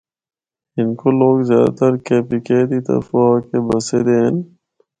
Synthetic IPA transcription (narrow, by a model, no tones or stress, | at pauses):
ɪnkoloːɡzjaːd̪a̰t̪əɾkeːpikeːd̪it̪ɐ̰foakebəsed̪eːn